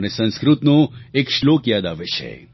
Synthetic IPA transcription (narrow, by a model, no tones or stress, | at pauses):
nesə̃nskɾut̪noekʃlokjaːd̪aʋet͡ʃʰḛ